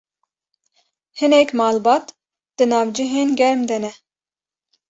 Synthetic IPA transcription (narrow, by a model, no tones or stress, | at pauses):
hɨnɛkmɑːlbɑːt̪ | d̪̥ɨnɑːvd͡ʒiɦeːnɡʲɛɾmd̪ɛnɛ